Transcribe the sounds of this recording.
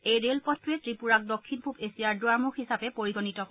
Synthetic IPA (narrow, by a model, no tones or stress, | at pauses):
ejɹelpɔtɹetɹipuɹak̚dokʰːinpʰupesiaɹdwaɹmuxhisapɛpoɹiɡonitɔ